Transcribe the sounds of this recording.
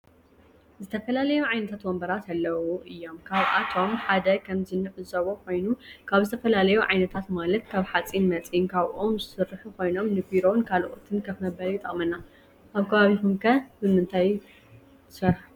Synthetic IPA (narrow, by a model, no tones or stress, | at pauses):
zɨt̪ʰɐfɐlalɐjuʕajnɐt̪ʰat̪wɔmbɐɾat̪alːɐwuʔɨjːo̞mkʰaβʔat̪ʰo̞mħad̪ɐkʰɐmzɨnːɨʕɨzɐβokʰo̞jnukʰaβzɨt̪ʰɐfɐlalɐjuʕajnɐt̪ʰat̪malɐt̪kʰaβħat͡sʼinmɐt͡sʼinkʰaβʔomzɨsɨɾːħukʰo̞jno̞mnɨbiɾo̞nkʰalʔot̪ʰɨnkʰɐfmɐbɐljɪt̪ʼɐχʼmɐnːa | ʔaβkʰɐβaβikumkʰɐbɨmɨnt̪ʰajʰ | ɨsɐɾħ